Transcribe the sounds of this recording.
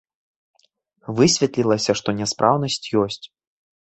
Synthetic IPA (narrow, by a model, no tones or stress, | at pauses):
vɨsʲvʲɛt̪lʲilˠɐsʲɐʂt̪ɔnʲɛspɾʔawnɐsʲt͡sʲjɔsʲt͡sʲ